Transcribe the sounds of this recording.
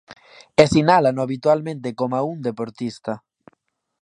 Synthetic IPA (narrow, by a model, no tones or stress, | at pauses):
esinalanoaβit̪walmẽnt̪̬ekomaund̪epoɾt̪ist̪a